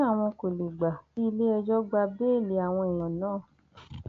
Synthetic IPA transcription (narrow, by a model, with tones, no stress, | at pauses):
a˦˨w̃ɔ̃˧ko˨le˨ɡ͡ba˨ti˦i˧le˦ɛ˧d͡ʒɔ˦ɡ͡ba˧be˦˨le˨˦a˨w̃ɔ̃˧i˨j̃ɔ̃˨nãː˨˦˨